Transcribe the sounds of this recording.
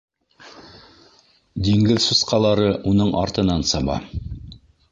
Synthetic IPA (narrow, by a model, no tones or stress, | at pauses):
d̪iŋɡɘðsusqɑlˠɑɾɤʔunɤɴʔɑ̰ɾt̪ɤ̆nɑnsɑβɑ̰